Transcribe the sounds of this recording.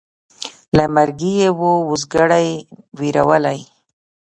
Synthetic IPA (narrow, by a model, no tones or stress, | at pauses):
lamaɾɡijewoʊzɡaɽajwiɾawəlaj